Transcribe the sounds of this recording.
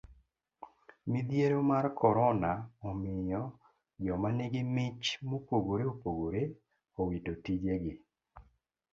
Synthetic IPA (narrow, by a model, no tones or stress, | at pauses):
mid̪jeɾomarkʰɔɾɔnaɔmɪjɔ | d͡ʒɔmanɪɡɪmɪt͡ʃmopoɡoɾeopoɡoɾe | ɔwitotid͡ʒeɡɪ